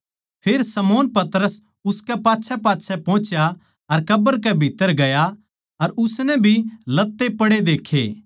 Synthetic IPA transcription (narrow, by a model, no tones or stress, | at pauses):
pʰeːɾsɐmoːnpɐt̪ɾəs | ʊskɛpaːtːʃʰɛpaːtːsʰɛpɔ̃ːt͡ʃja | ɐɾkɐbəɾkɛbʱit̪ːəɾɡɐja | ɐɾʊsnɛ̃bʱilɐt̪ːepɐɽed̪eːkʰːeː